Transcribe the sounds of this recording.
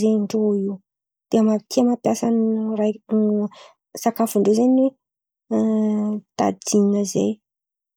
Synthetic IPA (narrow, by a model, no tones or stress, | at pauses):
zeɳɖ͡ʐoiwu | d̪̥eəmaɾikʰemapjasanrajn | sakafuɳɖ͡ʐezaɲwe | t̪a̰d̪inəzḛj